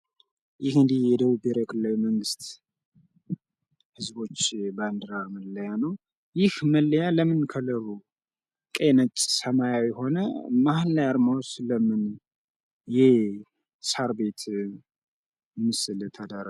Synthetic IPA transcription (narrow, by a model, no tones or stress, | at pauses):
jɪhɨnd̪ihjɛd̪əβubeɾekʰɨlːawiməŋɡɨst̪ | hɨzbo̞t͡ʃːband̪ɨɾaməlːəjanəw | jɪhməlːəjaləmɨnkʰələɾu | kʼenət͡ʃʼːsəmajawjɛho̞nəmahlːajaɾmawsləmɨn | jɛ | saɾbe̞t̪ | mːɨsɨlt̪ʰəd̪aɾ